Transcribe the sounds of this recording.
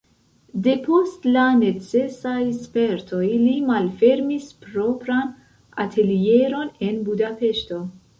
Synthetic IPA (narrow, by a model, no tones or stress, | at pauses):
de̞po̞stlane̞t͡se̞sajspe̞ɾtʰo̞jlimalfe̞ɾmispɾo̞pɾan | a̰tʰe̞lie̞ɾo̞ne̞nbudape̞ʃto̞